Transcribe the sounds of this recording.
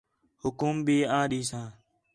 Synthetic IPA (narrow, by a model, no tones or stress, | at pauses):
hʊkuːmbʱiːãːɗiːsãː